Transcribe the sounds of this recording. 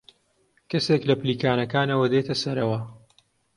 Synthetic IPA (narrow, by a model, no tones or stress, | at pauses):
kɐseklɐpliːkaːnɐkaːnɐwɐd̪et̪ʰɐsɐɾɐwɐ